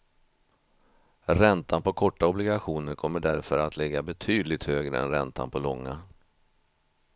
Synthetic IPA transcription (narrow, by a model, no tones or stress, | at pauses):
ɾɛnt̪ʰanpɔkʰɔʈːaɔblɪɡaɧuːnəɾkʰɔmːəɖæɾfœɾat̪ʰlɛɡːabɛt̪ʰyːd̪lɪɡ̚t̪høːɡɾə̰ɛ̰nɾɛnt̪ʰa̰npʰɔlɔŋːa̰